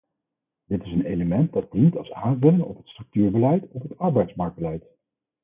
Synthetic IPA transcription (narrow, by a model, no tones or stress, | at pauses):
dɪtɪsənejləmɛnt̚dɑd̚d̥intɑlˠsaːnvɵlɪŋɔ̰pɦətstrɵk̚tyːɹbəlɛjtɔpɦətɑɹbɛjtsmɑɹk̚bəlɛjt